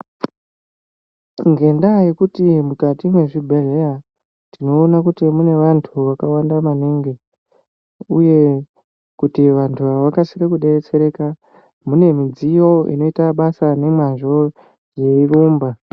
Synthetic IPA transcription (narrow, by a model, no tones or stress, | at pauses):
ŋɡe̞ndajekutimukatimwe̞ʐibʱe̞reja | tino̞ːnakutimune̞ʋantʰuʋakawandamaniŋɡe | uje̞ | kutiʋantʰuaʋakasirekuɗe̞ret͡se̞ɾe̞ːka | mune̞mid͡zijo̞ḭno̞itaɓasane̞mwanʐo̞ | je̞iruːmba